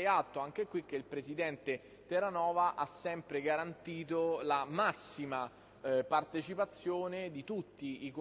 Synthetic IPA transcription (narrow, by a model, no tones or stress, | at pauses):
jat̪ːoaŋk̟ekwik̟ːeilpɾezid̪ɛnt̪e | t̪eɾanɔːvaʔasːɛmpɾeɡaɾant̪iːt̪olamasːima | part̪et͡ʃipat̪sːjoːned̪it̪ut̪ːiːk